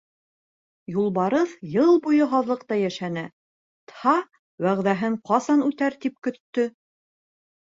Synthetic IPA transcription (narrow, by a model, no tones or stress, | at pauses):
julˠbɑɾɤθjɤlˠbujɤɦɑðlˠɤ̆qt̪ɑjæʃænæ | t̪hɑ | wæʁðæɦɘɴqɑsɑnʉt̪æɾt̪ip̚kɵ̆t̪ːɵ